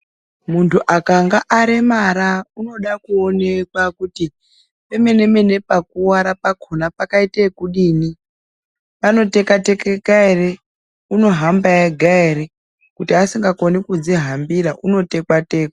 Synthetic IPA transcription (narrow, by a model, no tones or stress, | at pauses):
muntʰuʔakaŋɡaʔːɾemaɾauno̞ɗakuone̞kwakuti | pe̞me̞ne̞me̞ne̞pakuwaɾapakʰonapakaitekuɗiːni | pano̞te̞kate̞keɡaere | uno̞ɦambaeɡʱaeɾe | kutiasiŋɡakonikud͡ziɦambiɾaʔuno̞te̞kwate̞ːka